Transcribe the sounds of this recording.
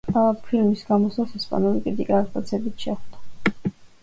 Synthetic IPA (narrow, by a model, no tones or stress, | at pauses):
apʰilmisɡamɔsasɛspʼa̰nulikʼɾit̪ʼḭkʼat̪ʼq̪ʼat̪sʰɛbit̪ʰʃɛχd̪̥a